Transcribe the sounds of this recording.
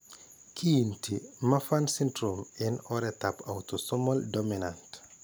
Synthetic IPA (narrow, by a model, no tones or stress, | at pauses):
kʰintimɐfansintɾomɛnɔɾɛtapawtosɔmɔldominant